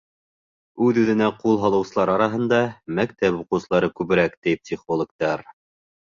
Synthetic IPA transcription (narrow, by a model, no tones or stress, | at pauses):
ʉðʉðɘ̆næqulˠɦɑlˠɤ̆wsɤlˠɑɾɑɾɑɦɤ̆nd̪ɑmæk̚t̪æpuqɤ̆wsɤ̆lˠɑɾɤkʉβɘ̆ɾækt̪ijpsʲiχolˠŏk̚t̪ɑɾ